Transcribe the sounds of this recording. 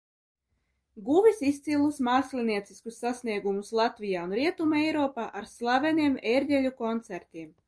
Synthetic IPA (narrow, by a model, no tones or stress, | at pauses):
ɡuvisist̪silˠusmaːslʲiniɛt̪siskusːasniɛɡumuslˠat̪vijaːunɾiɛt̪umejɾɔːpaːʔaɾslˠavɛniɛmeɾʲdʲɛlʲukɔnt̪sæɾt̪ʲiɛm